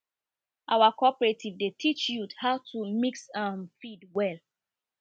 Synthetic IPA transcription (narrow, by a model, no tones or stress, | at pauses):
ʔawakɔpɹetʰivdetʰit͡ʃjuthaʊtʰumiksãnfidwɛl